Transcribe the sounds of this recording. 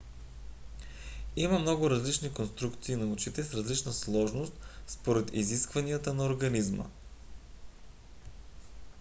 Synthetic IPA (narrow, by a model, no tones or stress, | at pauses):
imɐmnɔɡʊɾɐzlit͡ʃnikonst̪ɾukt̪siːnɐut͡ʃit̪ɛsɾɐzlit͡ʃnəslˠɔʒnost̪spoɾɛt̪ḭziskvɐniət̪ənɐoɾɡɐnizmə̰